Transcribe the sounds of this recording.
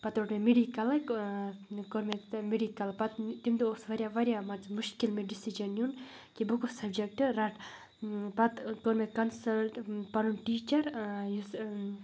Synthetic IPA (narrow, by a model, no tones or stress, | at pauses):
pɐt̪oʈmemeɖikɐlɨ | koɾmemeɖikɐlpɐt̪t̪imd̪ioːsʋɐɾʲjaʋɐɾjamɐt͡smuʃkilmeɖisid͡ʒɐnjun | kibɨkusɐbd͡ʒɐk̚ʈɨɾɐʈ | pɐt̪koɾmekɐnsɐlʈpɐnunʈiːt͡ʃɐɾjus